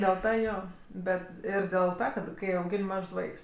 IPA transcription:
dʲeːlˠ ˈtɐ ˈjoː ˈbʲɛt ˈɪr dʲeːlˠ ˈtɐ kɐt ˈkɐɪ ɐʊˈɡʲɪnʲ ˈmɐʃs ˈʋɐɪks

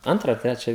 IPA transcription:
ˈɐntrɑː ɐ ˈtʲrʲæːt͡ʃʲæː

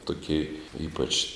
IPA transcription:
tʊˈkʲeː ˈiːpɐt͡ʃ

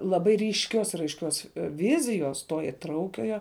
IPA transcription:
lˠɐˈbɐɪ rʲiːʃʲˈkʲoːs ɪr ɐɪʃʲˈkʲoːs ˈʋʲɪzʲɪjoːs toː ɪˈtrɐʊkʲoːjoː

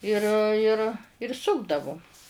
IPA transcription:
ˈɪr ɪr ɪr ˈsʊɡdɐʋʊm

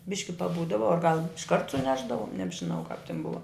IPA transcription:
ˈbʲɪʃʲkʲɪ pɐˈbuːdɐʋɐ ɐr ɡɐlˠ ɪʃˈkɐrt sʊˈnʲæːʒdɐʋoːm nʲɛbʲʒʲɪˈnɐʊ kɐp tʲɪn ˈbʊʋɐ

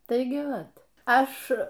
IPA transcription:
ˈtɐɪɡʲɪ ˈʋɐt ˈɐʃ

